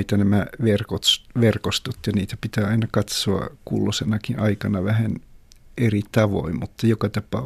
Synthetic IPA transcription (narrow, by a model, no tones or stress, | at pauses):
it̪ænæmæʋerkot̪ʋerkost̪ot̪jɑniːt̪æpit̪æːɑinɑkɑt̪soɑ̰kṵlːosenɑkiʔɑikɑnɑʋæhænerit̪ɑʋo̰immut̪ːɑjokɑt̪ɑpɑ̰ː